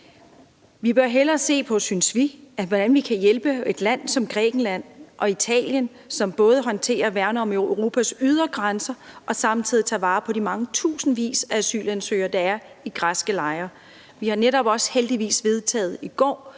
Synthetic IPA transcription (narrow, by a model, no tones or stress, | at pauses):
ʋib̥ɶɐɦelɐse̝̰ːpʰɒ̽synsʋiʋɒɾ̥ænʋikʰæjelb̥əe̝d̥læn̰sɒ̽mɡ̥ʁɛ̰ːɡ̥n̩læn̰ʔɒ̽it͡sʰɛ̰ːljən | sɒ̽mb̥ɔ̽ːð̞ˠəɦɒ̽nt͡sʰe̝̰ːɐʋæɐnəɒ̽meʊʁo̝ːpʰæsyð̞ˠɐɡ̥ʁansɐʔɒ̽sɑ̈mn̩t͡sʰið̰ˠit͡sʰɑ̈ʋɑ̈ːpʰɒ̽dimɑ̈ŋət͡sʰṵːsn̩ʋḭːsææsy̰ːlænsø̰ːɐd̥ɑ̈æɐ | iɡ̥ʁɑsɡ̥əlɑ̈ɪɐ | ʋihɑ̈neɾɒ̽b̥ɒ̽sheld̥iʋḭːsʋe̝ð̞ˠt͡sʰɛ̰ːð̩ˠiɡ̥ɒ̰ː